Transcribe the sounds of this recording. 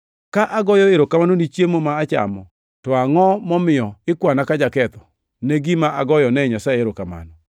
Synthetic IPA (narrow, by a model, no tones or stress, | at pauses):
kaʔaɡɔjɔɪɾokamanonit͡ʃjemomaːt͡ʃa̰mɔ | tɔaŋɔmɔmɪjɔɪkwanakad͡ʒakɛt̪ɔ̥ | neɡimaʔaɡɔjɔnɛɲasaeɪɾokama̰nɔ